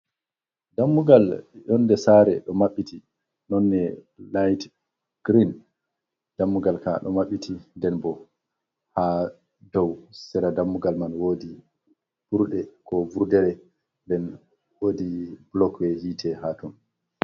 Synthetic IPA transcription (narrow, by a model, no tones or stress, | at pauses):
damːuɡaljɔndɛsaːɾɛ̰ɗɔmaɓːiti | nɔnːɛ | lajt | ɡ̥ɾin | d̥amːuɡalkaɗɔ̰maɓːitʰindɛnbɔ | ha | dɔwsɛɾadamːuɡalmanwodi | b̥uɾɗɛkɔbuɾdɛɾɛ | ndɛn | oːdiblɔkwɛhiːtʰɛhaːtun